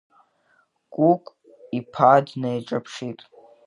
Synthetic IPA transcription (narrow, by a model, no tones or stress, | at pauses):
ɡ̥ʷʼukʷʼ | ipʰadnejʈ͡ʂʼapʰʂitʼ